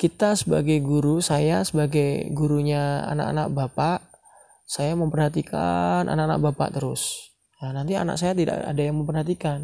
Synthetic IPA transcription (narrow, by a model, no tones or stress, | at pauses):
kit̪asəba̰ɡajɡuɾusajasəbaɡajɡuɾuɲaa̰na̰ka̰nak̚bapaʔ | sajaməmpərhat̪ikʰa̰nʔa̰nakana̰k̚bapa̰ʔt̪əɾʊ̰s | nanant̪ia̰na̰k̚sajat̪ida̰ʔa̰dajaŋməmpərhat̪ikan